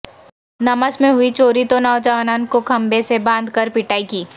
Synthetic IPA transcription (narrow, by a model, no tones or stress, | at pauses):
nɐməsmẽɦʊit͡ʃoːɾit̪onaːd͡ʒəʋnaːnkokʰɐ̃mbesebãːnd̪ʱkəɾpɪʈaːikiː